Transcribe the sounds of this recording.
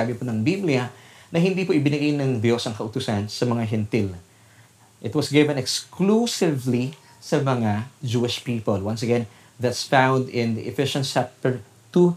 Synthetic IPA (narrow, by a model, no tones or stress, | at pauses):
abɪponɐŋbiblɪɐnɐhɪ̃nd̪ipoʔɪbɪnɐɡijnɐŋd̪jo̞sɐŋkɐʔʊt̪ʊsansɐmɐŋaɦɛnt̪ɪl | ʔɪt̪̚wɐsɡɪvɛ̃nɛksklusɪvli | sɐmɐŋad͡ʒuːɪʃpiːpolwɐns̬ɐɡɛ̃n | ðɐt̪sfãwnd̪ɪ̃nd̪iʔɪfɪʃɐ̃nsap̚t̪ɛɹ | t̪u